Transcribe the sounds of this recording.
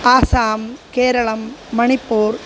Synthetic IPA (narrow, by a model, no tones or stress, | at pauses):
aːsaːmkeːɾɐɭɐmːɐɳɪpːuːɾ